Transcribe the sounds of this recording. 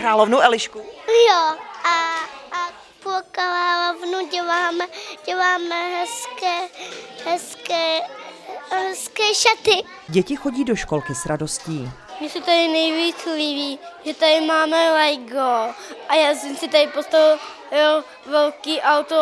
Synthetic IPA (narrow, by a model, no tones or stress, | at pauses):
kɾaːlovnowʔɛlɪʃkujoʔa | pokaɾaːlovnuɟɛlaːmɛɟ̥ɛlaːmɛɦɛskɛːɦɛskɛː | ɦɛskɛːʃat̪ɪ | ɟɛcɪxoɟiːdoʃkolkɪsɾadosciː | mɪsɛt̪adɪnɛjviːt͡sliviːʒɛt̪adɪmaːmɛlɛjɡoʔajaːsɛmsɪt̪adɪpost̪au | jo | vɛlkiːʔawt̪o